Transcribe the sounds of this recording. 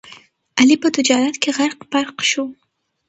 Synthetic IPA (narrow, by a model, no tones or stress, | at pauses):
alipət̪ʊd͡ʒɑɾat̪keɣaɾqbaɾqʃo